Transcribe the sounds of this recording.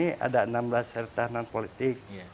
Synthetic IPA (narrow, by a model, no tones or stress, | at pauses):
ia̰daənamblashərt̪ahnanpolit̪ɪk̚